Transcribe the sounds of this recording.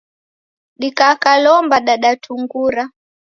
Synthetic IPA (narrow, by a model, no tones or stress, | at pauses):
ɗikakalɔmbaɗaɗatʰuŋɡuɾa